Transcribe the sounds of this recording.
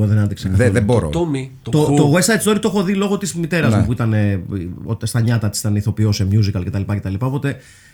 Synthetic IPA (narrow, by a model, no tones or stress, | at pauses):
oðenɐnd̪iksekɐθðeboɾo̰omit̪ot̪ot̪oɣesɐesi̥t̪oɾit̪oxo̞ðilo̞ɣo̞t̪izmit̪e̞ɾɐzmupuit̪ɐne̞ot̪st̪ɐɲɐt̪ɐt̪isit̪ɐneiθo̞pio̞semjuzikɐlcet̪ɐlipɐce̞t̪ɐlipɐo̞po̞t̪e̞